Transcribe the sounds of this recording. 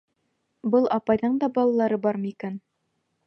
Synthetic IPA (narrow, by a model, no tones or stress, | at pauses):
bɤlˠʔɑpɑjðɤɴd̪ɑbɑlˠɑlˠɑɾɤbɑɾmɤikæn